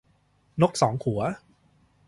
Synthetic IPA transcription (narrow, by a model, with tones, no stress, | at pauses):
no˦˥k̚sɔː˩˦ŋkʰu˨˩˦ɐ